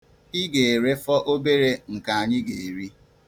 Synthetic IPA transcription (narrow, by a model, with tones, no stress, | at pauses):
i˦ɡe˨e˨ɾe˦fɔ˦ʔo˦be˦ɾe˦ŋ̩˨ka˨a˨ɲɪ˦ɡe˨e˨ɾi˦